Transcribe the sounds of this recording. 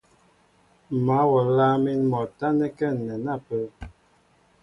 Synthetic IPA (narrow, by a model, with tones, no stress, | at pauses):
ma˨˦wɔ˨ɾla˦mi˦nmɔ˨ta˦nɛ˦kɛ˦˨nːɛ˨na˦˨pə˦